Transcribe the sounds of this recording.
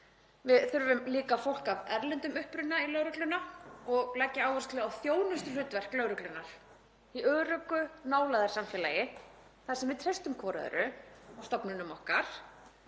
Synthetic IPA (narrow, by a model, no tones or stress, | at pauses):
vɪðθʏɾvʏmliːkafowl̥kavɛɾlɛnt̪ʏmʏhpɾʏnːailœwɾʏklʏnaɔɣlɛcːɪaːwvɔrsk̪lɛawθjoːwnʏst̪ʏlʏːt̪vɛr̥klœːɣɾʏklʏnaɾ̥ | iʔœːɾœkːʏnaːwlaðaɾ̥samfɛːlajɪ | θasɛmvɪðt̪ʰɾest̪ʏmkʰɔːɾa̰ðʏ̰ɾʏst̪ɔpnʏnʏmɔhkaɾ̥